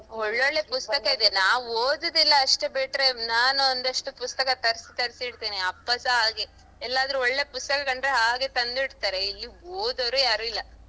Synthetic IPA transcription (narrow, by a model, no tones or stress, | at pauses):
ɔɭːeoɭːe̞pust̪ɐkɐid̪e̞naːʋoːd̪ɐd̪ilːɐːʂʈebeʈɾe̞naːnuond̪ɐʂʈupust̪ɐkɐt̪ɐɾsi̥t̪ɐɾsiiɽt̪iːniɐpːɐsɐɦaːɡe̞ | ɛlːaːd̪ɐɾuɔɭːe̞pust̪ɐkɐkɐɳɖɾeɦaːɡe̞t̪ɐnd̪iɽt̪aːɾe̞ilːioːd̪ɐɾujaːɾilːɐ